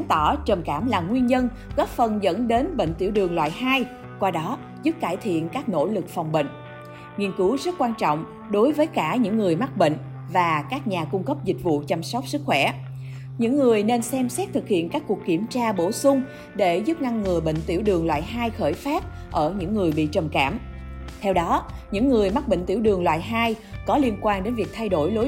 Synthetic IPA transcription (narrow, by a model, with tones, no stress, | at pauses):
a˨˦nt̪ɔ˧˩t͡ɕə˨˩mkaː˧˩mlaː˨˩mŋwi˧ənɲə˧n | ɣɔ˦˥p̚fə˨˩nzə̰˧˥nɗe˨˦nɓḛ˧˨ŋt̪ḭ˧˩əwɗɨ˨˩əŋlwa̰ː˧˨jhaː˧j | kwaː˧ɗɔ˨˦ | zɨ˦˥p̚kaː˧˩jt̪ʰḭ˧˨ənkaː˦˥k̚no̰˧˥lɨ˨˩k̚fɔ˨˩wŋ͡mɓə̰˧˨ŋ̟ | ŋi˧ənkɨ˨˦wzə˦˥t̚kwaː˧nt͡ɕɔ̰˧˨wŋ͡m | ɗo˨˦jvəː˨˦jkaː˧˩ɲɨ̰˧˥ŋːɨ˨˩əjma˦˥t̚ɓḛ˧˨ŋ̟ | vaː˨˩kaː˦˥k̚ɲaː˨˩kʊ˧ŋ͡mkə˦˥p̚zï˨˩k̟̚vṵ˧˨t͡ɕa˧msɔ˦˥wk͡p̚sɨ˦˥k̚xwɛ˧˩ | ɲɨ̰˧˥ŋːɨ˨˩əjne˧nsɛ˧msɛ˦˥t̚t̪ʰɨ˨˩k̚hḭ˧˨ənkaː˦˥kːu˨˩kːi˧˩əmt͡ɕaː˧ɓo˧˩sʊ˧ŋ͡m | ɗe˧˩zu˦˥p̚na˧ŋːɨ˨˩əɓə̰˧˨ŋ̟t̪i˧˩əwɗɨ˨˩əŋlwa̰ː˧˨jɦaː˧jxəː˧˩jfaː˦˥p̚ | ʔəː˧˩ɲɨ̰˧˥ŋːɨ˨˩əjɓḭ˧˨t͡ɕə˨˩mkaː˧˩m | t̪ʰɛ˧wɗɔ˨˦ɲɨ̰˧˥ŋːɨ˨˩əjma˦˥k̚ɓə̰˧˨ŋ̟t̪ḭ˧˩əwɗɨ˨˩əŋlwa̰ː˧˨jɦaː˧jkɔ˨˦li˧ənkwaː˧nɗe˨˦nvi˨˩ək̚t̪ʰa˧jɗo˧˩jlo˨˦